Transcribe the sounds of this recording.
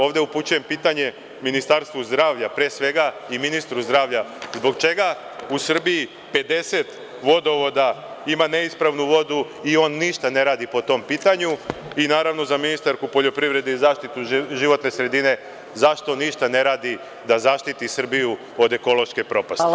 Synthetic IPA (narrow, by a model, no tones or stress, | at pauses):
o̞ːʋd̪e̞uput͡ɕuje̞mpiːt̪aɲe̞ | minist̪aɾst̪ʋuzd̪ɾaːʋʎapɾesʋe̞ɡaiminist̪ɾuzd̪ɾaːʋʎazbo̞ɡt͡ʃe̞ɡa | usr̩biji | pe̞d̪e̞se̞t̪ | ʋo̞d̪o̞ʋo̞d̪a | imane̞ispɾaʋnuʋo̞d̪u | io̞ːnːiʃt̪ane̞ɾaːd̪ipo̞t̪o̞mpiːt̪aɲuinaːɾaʋno̞zaminist̪aɾkupo̞ʎo̞pɾiʋɾe̞d̪eizaːʃt̪it̪uʒiʋo̞t̪ne̞sɾe̞d̪ine̞ | zaʃt̪o̞niʃt̪ane̞ɾaːd̪i | d̪azaʃt̪it̪isr̩biju | o̞d̪e̞ko̞lo̞ʃke̞pɾo̞pasti